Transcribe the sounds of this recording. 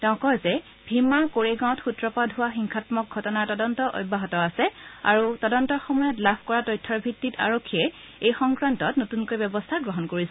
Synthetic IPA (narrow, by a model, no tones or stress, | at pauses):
tɛʊ̃kɔjzɛ | bʱimːakoɹeɡãw̃txutɹɔpadʱɦʊwaxiŋkʰatmɔk̚ɡʱɔtɔnaɹtɔdɔntɔʔo̰jbaɦɔtɔasɛa̰ɹutɔdɔntɔɹxɔmɔjɔtlabʰʱkɔɹatɔjtʰːɔɹbʱitːita̰ɹokʰːiɛ | ejxɔŋkɹantɔtnotunkojbɛbɔstʰaɡɹɔɦɔnkoɹisɛ